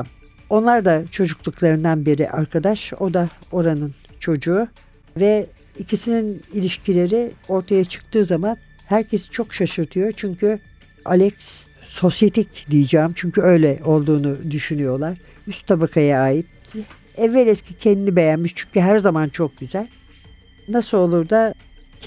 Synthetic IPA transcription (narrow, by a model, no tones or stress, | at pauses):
m | o̞nlˠaɾd̪at͡ʃʰo̞d͡ʒuklˠuklˠaɾɯnd̪anbiɾḭʔaɾkʰad̪aʃo̞d̪ao̞ɾanɯnt͡ʃʰo̞d͡ʒuː | vɛ | icʰisininilʲiʃcʰilʲe̞ɾɪo̞ɾt̪ʰajat͡ʃʰɯ̥k̚t̪ɯːzaman | hæɾcʰe̞si̥t͡ʃʰo̞kʃaʃɯɾt̪ʰɯjo̞t͡ʃʰyɲcʰy | a̰lʲɛcs | so̞sjet̪ʰicd̪ijid͡ʒaːmt͡ʃʰyɲcyø̞jlʲɛʔo̞lˠd̪uːnud̪yʃynyjo̞lˠaɾ̥ | yst̪t̪ʰabakʰajaaːjit̪̚ | ɛvːɛlʲɛscʲicʰɛnd̪inibe̞jænmiʃt͡ʃʰyɲcyɦæɾzamant͡ʃʰo̞k̚ɟyzælʲ | nasɯlˠo̞lˠuɾd̪a